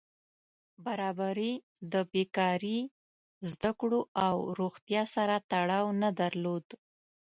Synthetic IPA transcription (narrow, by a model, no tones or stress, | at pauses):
baɾɑbaɾi | d̪əbekɑɾi | zd̪akɽoawɾoɣt̪jɑsaɾat̪aɽɑwnad̪aɾlod̪